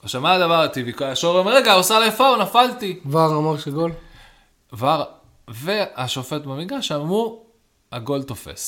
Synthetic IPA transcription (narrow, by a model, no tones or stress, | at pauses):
aʃamaːd̪avaʁat̪ivikoaʃoʁemʁeɡaosalajefaunafalt̪ivaʁamaʁʃeɡol | vaʁ | veaʃo̞fe̞t̪bamiɡaʃamu | aɡo̞lt̪o̞fḛs